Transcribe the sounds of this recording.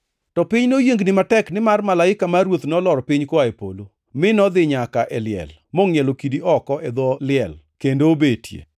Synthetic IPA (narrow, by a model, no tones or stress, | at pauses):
tɔpɪɲnojeŋɡnɪmatɛknɪmarmalaɪkamaɾwot̪nɔlɔɾpɪɲkaepo̰lo | mɪnɔd̪ɪɲakaʔɛlɪɛ̰l | mɔŋjɛlokidiʔɔkɔɛd̪ɔlɪɛl | kendoːbetʰjḛ